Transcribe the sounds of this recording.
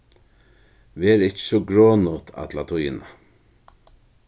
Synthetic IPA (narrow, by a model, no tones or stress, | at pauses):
ʋeːɾɪcə̥sɔɡɾoːnʊt̪ʰa̰t̪lat̪ʰʊjɪna